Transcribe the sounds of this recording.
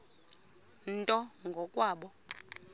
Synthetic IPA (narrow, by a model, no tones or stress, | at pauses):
n̩tʼɔŋɡʱɔkʼwaːɓɔ